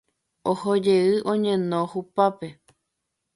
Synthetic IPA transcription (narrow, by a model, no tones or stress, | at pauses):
ohod͡ʒeɨʔõɲẽnõhupape